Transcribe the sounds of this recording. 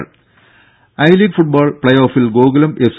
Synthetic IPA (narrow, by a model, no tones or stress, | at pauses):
ɭ | ɐjliːɡfuʈ̚baːɭpɭɐjoːfilɡoːɡɐlɐmʔefs